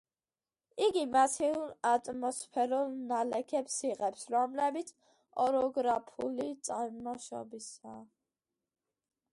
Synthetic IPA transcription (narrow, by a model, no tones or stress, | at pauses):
iɡimasʰiuɾat̪ʼmɔspʰɛɾulˠnalɛkʰɛpsiʁɛpsɾɔmlɛbit̪sʰ | ɔɾɔɡɾapʰṵlit̪sʼaɾmɔʃɔ̰bisaː